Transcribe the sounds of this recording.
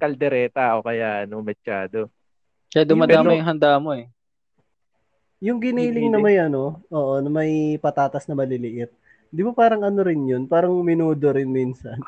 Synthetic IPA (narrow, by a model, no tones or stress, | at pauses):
kɐld̪ɛɾɛːt̪aʔokɐjaʔɐnomɛʃaːd̪o̞ | kɐjad̪ʊaːdp̪ːaːmɐjʊŋɦɐnd̪aːmo̞ʔɛ | jʊŋɡɪniːlɪŋnɐmɐjʔɐno̞ʔoːʔo̞nɐmɐjpɐt̪aːt̪ɐsnɐmɐlɪlɪʔɪt̪̚ | d̪ɪbopaːɾɐŋʔɐno̞ɾɪnjo̞npaːɾɐŋmɪnuːd̪o̞ɾɪnmiːnsɐn